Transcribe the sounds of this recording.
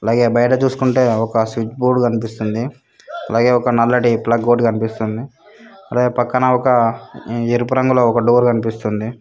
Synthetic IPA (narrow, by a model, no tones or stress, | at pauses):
ɐlaːɡeːbɐjɐʈ̬ɐt͡ʃuːsu̥kuɳʈeːɔkɐsʋit͡ʃbuːɖkɐnipist̪und̪i | ɐlaːɡeːɔkɐnɐlːɐʈiplɐɡːoɖkɐnipist̪und̪i | ɐlaːɡeːpɐkːɐnɐɔkɐ | eɾupuɾɐŋɡuloːɔkɐɖuːɾkɐnipist̪und̪i